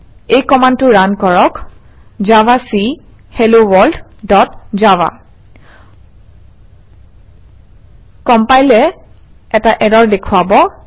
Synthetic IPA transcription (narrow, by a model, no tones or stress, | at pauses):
ejkɔmantʊɹankɔɹɔk | zavasi | helowɔld | dɔtzawa̰ | kɔmpajlɛ | ɛtaʔɛdɔɹdekʰʊabɔ